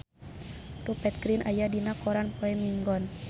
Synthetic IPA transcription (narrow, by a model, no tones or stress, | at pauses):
rupɛt̪̚ɡɾinʔajadinakɔɾanpɔɛmiŋɡɔn